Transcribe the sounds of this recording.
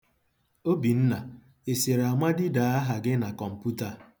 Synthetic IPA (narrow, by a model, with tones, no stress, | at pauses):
o˦bi˨n̩˦na˨ | e˨se˨ɾa˨mʷa˦dɪ˦da˨a˦ɦa˨ɡɪ˦na˨kɔ˨m̩˨pu˦ta˨